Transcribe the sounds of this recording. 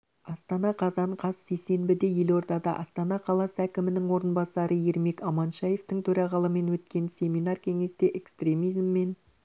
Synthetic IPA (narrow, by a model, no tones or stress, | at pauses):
ɑst̪ɑnɑqʰɑzɑɴqʰɑsːe̞jse̞nbɪd̪e̞je̞lo̞ɾd̪ɑd̪ɑ̰ʔɑst̪ɑnɑqʰɑlˠɑsəækʲɪmɪnɪŋwo̞ɾənbɑsɑɾəje̞ɾme̞kɑmɑnʃɑje̞ft̪ɪŋt̪ʰɵɾɑʁɑlˠəme̞nwɵt̪kʲe̞nsʲe̞minɑrkʲʰe̞ŋe̞st̪e̞ʔekst̪ɾʲe̞mijzmːe̞n